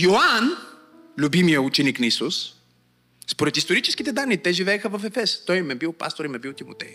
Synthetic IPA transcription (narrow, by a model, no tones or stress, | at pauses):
joan | lʲubimijəut͡ʃɛniknɐisus | spoɾɛt̪ist̪oɾit͡ʃɛsk̟it̪ɛd̪anːit̪ɛʒivɛːxəvɐfɛfɛst̪ɔjmɛbilˠpa̰st̪oɾimɛbilˠt̪imot̪ɛ̰j